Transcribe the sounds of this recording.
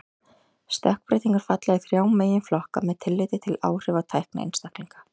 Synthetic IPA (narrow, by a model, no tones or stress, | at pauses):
st̪œhk̚pɾɪːt̪iŋkʏɾ̥fat̪laɣɪθɾjaːwmeːjɪnflɔhka̰mɛðt̪ʰɪlːɪːt̪ɪt̪ʰɪla̰ːwr̥ɪvat̪ʰajhkna̰ḛnst̪ahkliŋkḁ